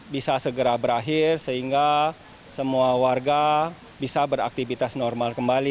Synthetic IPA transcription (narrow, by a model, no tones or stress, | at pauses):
bisasəɡəɾabəɾaɦɪrsəɦiŋɡa | səmuawarɡa | bisabəɾa̰k̚t̪ifit̪asnɔrmalkəmbali